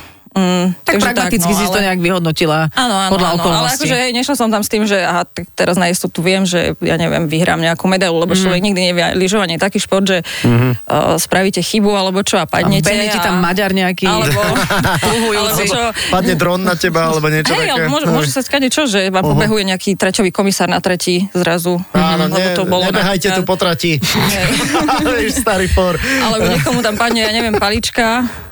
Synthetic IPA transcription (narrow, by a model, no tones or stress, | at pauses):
m̩t̪aaɡʒɾɛaɡt̪mat̪it͡skkis̬ist̪ɔɲɛaɡʋiɦɔd̪nɔcilaaːnɔanpɔd̪laɔɔkɔlalɔɛakɔʒɛɦɛjɲɛʃlasɔmt̪amst̪iːmʒɛaɦat̪akt̪ɛɾaznaɛst̪ɔt̪uʋɪɛmʒɛ̰ja̰ːɲɛʋɪɛ̰mʋiɦɾa̰ːmɲɛakumɛd̪ajlulɛbɔt͡ʃlɔʋɛɡɲiɡd̪iɲɛʋɛ̰liʒɔʋaɲɪɛt̪akiːʃpɔɾd̪ʒɛ̰ | spɾaʋicɛxibualɛbɔt͡ʃɔapa̰d̪ɲɛpɛɲɛit̪amːaɟaɾɲɛakiɛbɔtuɦualɛbɔpad̪ɲɛd̪ɾɔnːacɛbaalɛbɔɲɪɛt͡ʃɦɔtɛajalɛɛɛmʊɔʒɛmʊɔʒɛmsaskaɟɛt͡ʃɔʒɛʋaːmpɔbɛɦujɛɲɛakit̪ɾɛcɔʋiːkɔmisaːɾnat̪ɾɛcizɾazuaːlɔɛɛbɔt̪ɔbɔlɲɛbɛɦajcɛupɔt̪ɾaciɦɛj | ʃsst̪aɾifɔɾalɛbɔɲɛkɔmut̪ampad̪ɲɛjaɲɛʋɪɛmpalit͡ʃka